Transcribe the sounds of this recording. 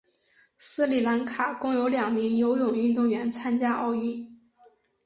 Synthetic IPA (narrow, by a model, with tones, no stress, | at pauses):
sɹ̩˥li˨˩la˧˥nkʰa˨˩kʊ˥ŋjo˧˥ʊljɑ˨˩ŋmi˧˥ŋjo˧˥ʊjʊ˨˩ŋy˥˧nt̪ʊ˥˩ŋɥɛ˧˥nt͡sʰa˥nt͡ɕja˥ʔɑ˥˧ʊy˥˩